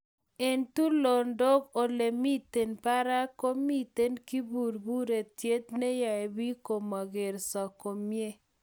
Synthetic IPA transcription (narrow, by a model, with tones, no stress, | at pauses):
e˨ntu˦lo˨ndɔ˦ko˨le˨mi˦te˨npa˦ɾa˦ko˦mi˦t̪e˦nki˦bu˨ɾbu˦ɾe˨tje˦t̪ne˦ja˨e˨bi˦ko˨ma˨ɡe˨ɾsa˨ko˨mje˦